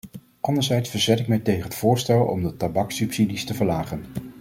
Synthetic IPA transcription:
ʔɑndəɹzɛjtsfəɹzɛtɪk̚mɛjtejχənɦətfʊːɹstɛlˠɔ̰mdətabɑksypsidistəvəɹlaːχən

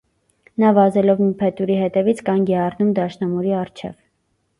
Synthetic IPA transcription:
nɑvɑzɛlɔvmipʰɛt̪uɾiɦɛt̪ɛvit͡sʰkɑnɡɛɑrnumd̪ɑʃnɑmuɾiɑrt͡ʃʰɛ̰v

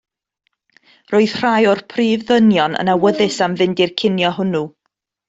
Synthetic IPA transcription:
roːɨð̥r̥ajɔrpʰriːvðənjɔnə̰nawəðɨsamðɪndirkʰɪnjɔɦʊnu

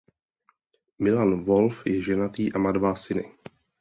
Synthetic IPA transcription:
mɪlanvolfjɛʒɛnat̪iːʔamadvasɪnɪ̰

